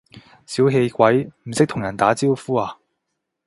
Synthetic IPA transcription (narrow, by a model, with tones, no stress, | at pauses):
siː˨˥wɦe˧jkʷɐ˨˥jm̩˨˩sɪ˥k̚t̪ʰʊ˨˩ŋjɐ˨˩nt̪aː˨˥t͡siː˥wfuː˥aː˧